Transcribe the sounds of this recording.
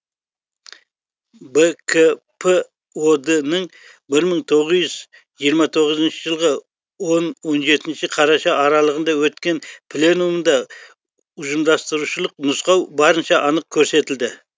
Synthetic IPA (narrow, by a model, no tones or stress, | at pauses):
bekʰe | pʰe | od̪ənəɴ | bɪɾməɴt̪ʰo̞ʁəzʒʏz | ʒijəɾmɑt̪ʰo̞ʁəzənʃəʒəlˠʁə | wo̞nwo̞nʒe̞t̪ɪnʃɪqʰɑɾɑʃɑʔɑɾɑlˠəʁənd̪ɑwɵt̪kʲe̞npʰlʲe̞numənd̪ɑ | ʊʒəmd̪ɑst̪əɾuʃəlˠəqnʊsqɑwbɑɾənʃɑʔɑnəq̚kʲʰɵɾse̞t̪ɪld̪ɪ